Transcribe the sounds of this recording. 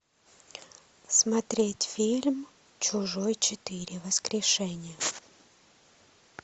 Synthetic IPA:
smɐt̪ɾʲetʲfʲilʲm | t͡ɕʊʐojt͡ɕɪt̪ɨɾʲɪvəskɾʲɪʂɛnʲɪjə

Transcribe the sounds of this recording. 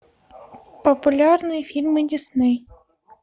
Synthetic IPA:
pɔpʊlʲarnɨjfʲilʲmɨdʲisnɨj

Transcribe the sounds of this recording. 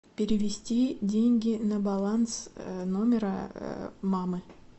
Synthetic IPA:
pʲeɾʲɪvʲɪsʲtʲidʲenʲɡʲɪnɐbalˠansnomʲɪɾə | mamɨ

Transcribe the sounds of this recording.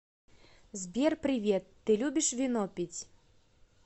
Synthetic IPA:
zʲbʲɛrpɾɪvʲɛt̪ːɨlʲubʲiʂvʲinɔpʲit͡sʲ

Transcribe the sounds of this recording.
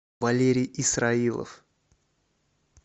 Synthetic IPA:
vɐlʲeɾʲɪjisɾailˠə̰f

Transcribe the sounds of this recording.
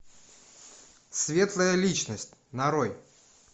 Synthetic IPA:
svʲet̪lˠəjəlʲit͡ɕnəsʲtʲnɐɾoj

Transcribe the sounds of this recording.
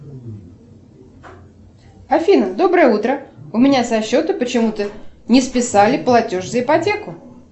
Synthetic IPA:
ɐfʲinəd̪o̞bɾəjəut̪ɾəʊmʲɪnʲasɐɕːo̞t̪əpət͡ɕɪmut̪ənʲɪspʲɪsalʲɪplˠɐtʲo̞ʐzəɪpɐtʲekʊ

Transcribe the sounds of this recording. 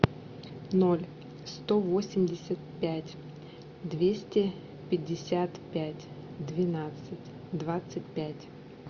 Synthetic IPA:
nolʲ | st̪ovosʲɪmʲdʲɪsʲət̪̚pʲætʲ | d̪vʲesʲtʲɪ | pʲɪdʲːɪsʲat̪pʲætʲ | d̪vʲɪnat̪sɨtʲ | d̪vat̪sɨt̚ʲpʲætʲ

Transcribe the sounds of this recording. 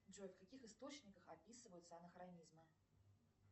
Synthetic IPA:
d͡ʒojfkakʲixɨst̪ot͡ɕnʲikəxapʲisɨvəjut̪səɐnɐxɾanʲizmɨ

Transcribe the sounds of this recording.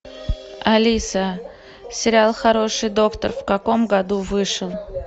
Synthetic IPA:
ɐlʲisə | sʲɪɾʲɪalˠxɐɾo̞ʂɨjd̪o̞kt̪ə̰rfkɐko̞mɡɐd̪uvɨʂəlˠ

